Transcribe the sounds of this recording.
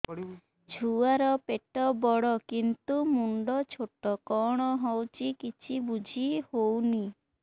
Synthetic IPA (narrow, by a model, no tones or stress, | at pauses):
d͡ʒʱuaɾɔpeʈɔbɔɽɔkint̪umuɳɖɔt͡ʃʰoʈɔkɔɽ̃ɔɦɔwt͡ʃʰikit͡ʃʰibud͡ʒʱihowni